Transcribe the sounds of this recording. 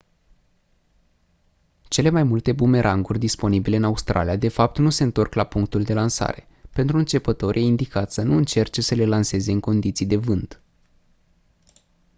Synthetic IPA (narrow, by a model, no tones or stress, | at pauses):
t͡ʃe̞le̞majmult̪e̞bume̞ɾʔaŋɡurʲd̪ispo̞nibile̞ɨnaust̪ɾʔa̰lijad̪e̞fap̚t̪nuseɨnt̪o̞rklapuŋk̚t̪uld̪e̞lansa̰ɾe̞ | pe̞nt̪ɾuɨnt͡ʃe̞pət̪o̞rʲʔjeind̪ikat̪sənuɨnt͡ʃe̞rt͡ʃe̞səle̞lanse̞ze̞ɨŋko̞nd̪it̪sijd̪e̞vɨnt̪